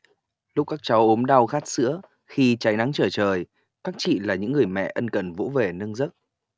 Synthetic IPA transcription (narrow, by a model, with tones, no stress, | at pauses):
lʊ˦˥k͡p̚kaː˦˥k̚t͡ɕa˨˦wʔo˨˦mɗa˧wxaː˦˥t̚sɨ̰˧˥ə | xi˧t͡ɕa˨˦jna˨˦ŋt͡ɕəː˧˩t͡ɕəː˨˩j | kaː˦˥k̚t͡ɕḭ˧˨laː˨˩ɲɨ̰˧˥ŋːɨ˨˩əjmɛ̰˧˨ʔə˧nkə˨˩nvṵ˧˥ve˨˩nɨ˧ŋzə˦˥t̚